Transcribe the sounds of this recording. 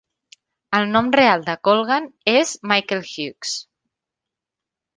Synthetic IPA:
əlˠnɔmrealˠd̪əkolˠɣanezmajkelˠxjyks

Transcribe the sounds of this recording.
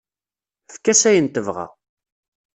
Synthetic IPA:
fkːæsæjənt̪əvʁa̰

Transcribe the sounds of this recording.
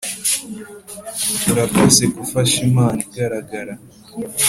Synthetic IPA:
tuɾapesekufaʃimaːniɡaɾaɡaɾa

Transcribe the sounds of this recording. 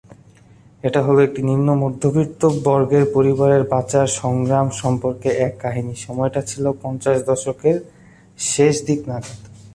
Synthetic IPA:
eʈaɦɔloek̚ʈiniɾnːomod̪ʱːobikt̪obɔɾɡeɾpoɾibaɾeɾbat͡ɕaɾʃɔŋɡɾamʃɔmpoɾkeʔɛkːaɦiniʃɔmɔeʈat͡ɕʰilopɔnt͡ɕaʃd̪ɔʃokeɾ | ʃeʃd̪iknaɡad̪

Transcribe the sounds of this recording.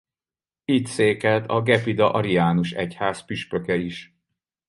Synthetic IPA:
it̪seːkɛlt̪ʰɒɡɛpid̪ɒʔɒɾiaːnuʃɛchaːspyʃpøkɛiʃ

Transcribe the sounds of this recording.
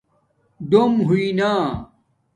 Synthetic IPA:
d̪omɦuina

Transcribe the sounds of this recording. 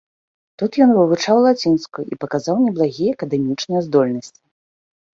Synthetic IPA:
t̪ut̪jɔnvɨvut͡ʂawlˠat͡sʲinskuipɐkazawnʲɛblˠaɣʲijɛːkɐd̪ɛmʲit͡ʂnɨjɛzd̪ɔlʲnɐsʲt͡sʲi̥

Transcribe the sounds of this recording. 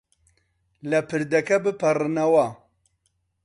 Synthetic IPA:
lɛpʰɨɾd̪ɛkɛbɨpʰɐrɨnɐwa

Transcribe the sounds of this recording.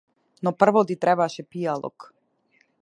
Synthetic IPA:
nɔpr̩vɔt̪it̪ɾɛbaʃɛpijalˠɔ̰k

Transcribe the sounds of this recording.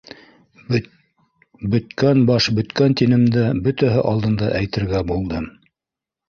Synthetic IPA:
bɵ̆t̪kænbɑʃbɵ̆t̪kænt̪inɘ̆md̪æbɵt̪æɦɘʔɑlˠd̪ɤ̆nd̪ɑʔæjt̪ɘ̆ɾɡæbulˠd̪ɤm

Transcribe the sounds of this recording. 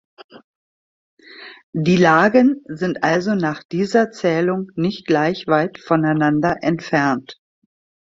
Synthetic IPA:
diːlaːɡənzɪntʔalzonaːχd̥iːzɐt͡sɛːlʊŋnɪçt̚ɡ̥laɪçv̥aɪtfɔnaɪnandɐʔɛntfɛɐnt

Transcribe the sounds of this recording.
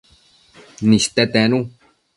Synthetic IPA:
nĩst̪et̪ɛ̃nũ

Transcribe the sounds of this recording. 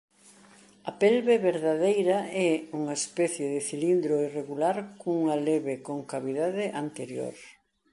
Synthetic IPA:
ɐpɛlβeβeɾðaðejɾɐɛuŋaespɛθjeðɪθilind̪ɾoireɣulaɾkuŋaleβekoŋkaβiðaðɪʔant̪eɾjo̰ɾ

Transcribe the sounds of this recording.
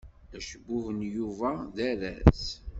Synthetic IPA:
æʃəbːʊhənjuvæðæɾæ̰θ

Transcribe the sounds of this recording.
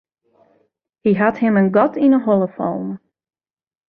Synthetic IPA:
hiɦathɪmənɡɔtʰinəɦoləfɔ̰lˠm

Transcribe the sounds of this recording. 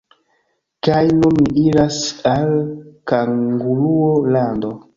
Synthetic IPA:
kajnuniɾasalkaŋɡuluolando

